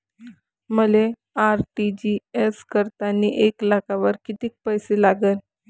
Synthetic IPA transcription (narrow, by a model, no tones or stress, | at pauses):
məle | aɾʈid͡ʑieskəɾt̪anːiʔeklakaʋəɾkit̪iːk̚pəjselaɡən